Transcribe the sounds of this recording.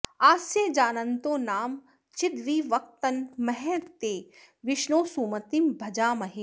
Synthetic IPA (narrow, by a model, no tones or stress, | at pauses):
aːsjed͡ʒaːnɐnt̪õːnaːm | t͡ʃɪd̪ʋiːʋɐk̚t̪ɐnmɐɦɛt̪eː | ʋɪʃnoːsuːmɐt̪imbʱɐd͡ʒaːmɐɦeː